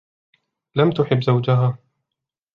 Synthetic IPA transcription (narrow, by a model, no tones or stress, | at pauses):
lamt̪ʊħɪbːzawd͡ʒʊɦaː